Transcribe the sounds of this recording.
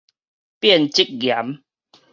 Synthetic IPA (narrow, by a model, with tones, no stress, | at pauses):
pjɛ˥˨nt͡ɕi˦k̚ɡja˨˦m